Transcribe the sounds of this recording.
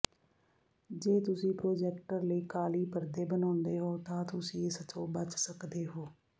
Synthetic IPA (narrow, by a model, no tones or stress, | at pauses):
d͡ʒeːt̪ʊsĩːpɾoːd͡ʒɛːk̚ʈəɾləiːkaːliːpəɾd̪eːbənɔːnd̪eːɦoːt̪ãːt̪ʊsĩːɪst̪ʰoːbət͡ʃsəkd̪eːɦoː